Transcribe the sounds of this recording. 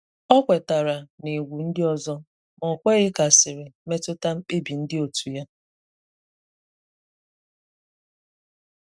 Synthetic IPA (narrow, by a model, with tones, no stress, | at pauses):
ɔ˦kʷe˨ta˨ɾa˨ne˨ɡʷu˨n̩˦dɪ˦ɔ˦zɔ˦ | mɔ˨kʷe˦ɣɪ˦ka˨sɪ˨ɾɪ˨me˦tʊ˦ta˦m̩˦k͡pe˦bi˨n̩˦dɪ˦o˨tu˨ja˦